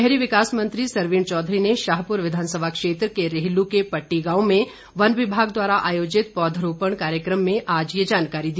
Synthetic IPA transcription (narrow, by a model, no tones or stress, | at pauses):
ɦɾiʋɪkaːsmɐ̃nt̪ɾisɐɾʋiːɳt͡ʃɔːd̪ʱɾineʃaːɦpʊɾʋɪd̪ʱaːnsəbʱakʃeːt̪ɾəkeɾeɦlukepɐʈːiɡãːomẽ | ʋɐnʋɪbʱaːɡd̪waːɾaʔaːjoːd͡ʒɪt̪̚pɔːd̪ʱəɾoːpəɳ̃kaːɾjəkɾəmːẽʔaːd͡ʒjed͡ʒaːnkaːɾid̪i